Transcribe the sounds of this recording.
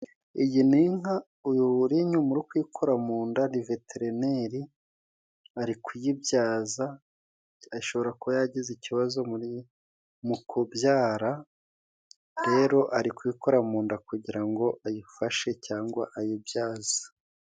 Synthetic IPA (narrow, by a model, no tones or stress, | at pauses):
ijiniŋɦa | ujuɾiɲumuɾikwikʰo̞ɾamuːndanive̞tʰeɾeneɾi | aɾikwujibjaːza | ajiʃo̞βo̞ɾakuβajaɟiziciβazo̞muɾi | mukʰobjaːɾa | ɾe̞ɾo̞ʔaɾikwiko̞ɾamuːndakuɟiɾaŋɡo̞ʔajifaʃe̞caːŋɡwaʔajibjaːz̥ḁ